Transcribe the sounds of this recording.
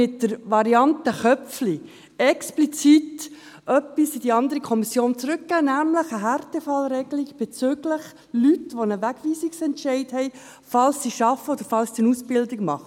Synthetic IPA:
ɪtdəɾʋɑɾiɑntəχœp͡ffli | ɛksplit͡sit | ʔœpːisid̥iɑnd̪əɾikʰɔmisjoːnt͡sɾʏkːæːnæmləχəɦæɾtɛfɑlɾɛɡliɡb̥ɛt͡søːɡləχ | lytʋonəʋæɡ̥ʋiːsiksɛntʃɛɪthɛɪ | fɑlsːiʃɑfəod̥əɾfɑlsːiənusb̥ɪldiɡmɑχə

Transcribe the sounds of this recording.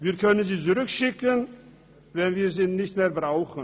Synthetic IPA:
viːɐkʰœnənziːt͡sʊʁʏkʃɪkən | vɛnviːɾziːnɪçtmeːɐbʁaʊxən̩

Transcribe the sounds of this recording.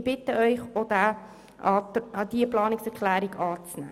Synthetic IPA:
b̥ɪtəœʏχodæ | ɑd̥iəplɑːnɪksɛɾkʰlæːɾiɡɑːt͡snæ̰ː

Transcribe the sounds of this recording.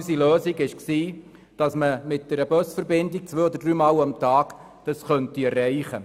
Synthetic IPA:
siløːsiɡɪʃksiː | d̥ɑsməmɪt̚d̥ɛɾəbœsfəɾbɪndik̚t͡sʋøːodəɾd̥̪ɾyːmɑːlɑmt̪ɑːɡ̥ | d̥ɑsχœntiɛɾrɛɪχə

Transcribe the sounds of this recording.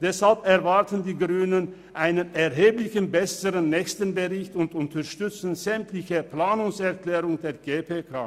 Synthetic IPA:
d̥ɛshalpɛɐvaɐtəndiːɡʁyːnən | ʔaɪnənɛɐɦeːplɪçənbɛsəʁənːɛːçstənbəʁɪçtʊntʊntʰɐɐʃtʏt͡sənzɛmtlɪçəplaːnʊŋsɛɐklɛːʁʊŋdeːɐɡeːpʰeːkʰaː

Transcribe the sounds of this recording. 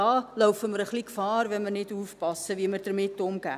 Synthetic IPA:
ɑːlœwfəməɾəχlikəfɑːrvɛnmərnɛtufpɑsəviəmərdərmɪtːɔmɡɛ̰

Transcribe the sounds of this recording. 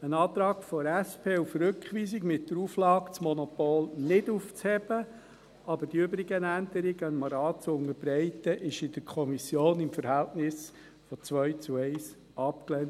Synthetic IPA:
ənɑːt̪ɾɑːkfɔɾæspʰeːufɾɵkχʋiːsɪkmɪtːəɾuːflɑːkt͡smɔnɔpoːlnɪduft͡shɛb̥ə | ʔɑbəɾd̥iʏbɾiɡənænd̪əɾiɡənmɑɾɑːtt͡sʊnəɾb̥ɾɛɪtəʔɪʃɪd̥əɾkʰɔmisjoːnɪmfəɾhæltnɪs | fɔt͡sʋœɥt͡suɛɪs | ʔɑpklɛnt

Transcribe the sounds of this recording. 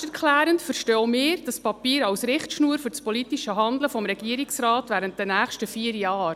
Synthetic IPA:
ɛɾkʰlæːɾəntfəɾʃtɔːmɪːɾd̥ɑspɑpiːɾɑwsɾɪχtʃnuːəɾfʏɾt͡spɔlitiʃəɦɑnd̪ləfɔmɾɛɡ̥iəɾiksrɑːtʋæːɾənt̚d̥ɛnæːχʃtəfiːəɾjɑːɾ

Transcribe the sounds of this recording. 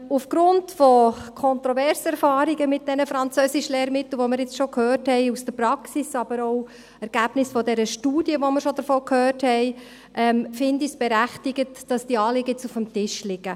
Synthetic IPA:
ufɡ̥ɾʊntfɔkʰɔntɾɔvɛɾsɛɾfɑːɾiɡəmɪt̚d̥ɛnəfɾɑnt͡søːsiʃlɛːɾmɪtl̩ˠʋoməɾjɪt͡sʃɔkʰhøːrthɛɪusd̥əɾpɾɑksisɑb̥əɾɔw | ɛɾɡ̥æːbnɪsfɔdɛɾəʃtuːd̥jəʋoməɾʃɔd̥əɾfɔːkʰhøːrthɛɪ | ʔɛmfɪndisb̥ɛɾæχtiɡ̥ətd̥ɑsd̥iɑːlɪɡɪt͡sufəmtɪʃlɪɡ̥ə

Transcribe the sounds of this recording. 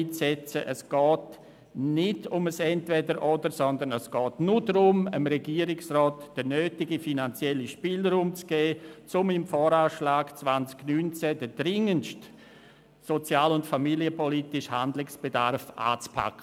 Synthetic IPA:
it͡sɛt͡səʔəsɡ̥ɔːt | nɪdʊməsɛntvɛdəɾʔodəsɔndənəsɡ̥ɔːtnʊdɾʊməmɾɛɡiːəɾɪksrɔːtd̥ənøːtɪɡifinant͡sjɛliʃpiːləɾʊmt͡sɡ̥eːt͡sʊmɪmfɔːɾaːʃlaːɡt͡svant͡sknyːnt͡sɛdədɾɪŋənʃt | sot͡sjaːlʊntfamiliəpɔlitɪʃhandlɪksb̥edaɾfʔa̰ːt͡spʰa̰kʰːə

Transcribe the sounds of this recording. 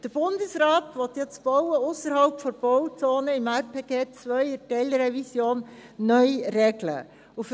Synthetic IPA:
d̥əɾb̥ʊndəsɾaːtʋɔt̪jɛt͡sb̥ɔwəʊsəɾhalpfɔɾb̥ɔwt͡soːnəɪmæɾpʰeːɡeːt͡svœʏətɛlɾɛvisjoːnːœjrɛɡlə̰ | uf

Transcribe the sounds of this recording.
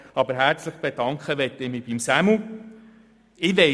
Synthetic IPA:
ɑbəɾɦæɾt͡slɪχb̥ed̥ɑŋkχəʋɛtːɪmib̥imsæmu | ɪʋɛ

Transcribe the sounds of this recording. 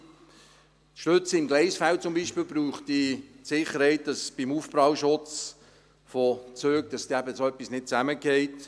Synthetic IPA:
ʃtøt͡sɪmɡlɛɪsfælt͡sʊmbiːʃpiːlbɾuːχtd̥itsɪχːəɾhɛɪt̚d̥ɑsb̥imuːfbɾɑːwʃʊt͡s | fɔt͡søːk̚d̥ɑsd̥iæbəsoœpːisnɪt̚t͡sæməkɛɪt

